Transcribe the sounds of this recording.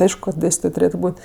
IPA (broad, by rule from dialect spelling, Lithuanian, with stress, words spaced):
ˈɐɪʃkʊ kɐ ˈdʲeːsʲtʲɪtoːj tʊˈrʲeːtʊ ˈbuːtʲ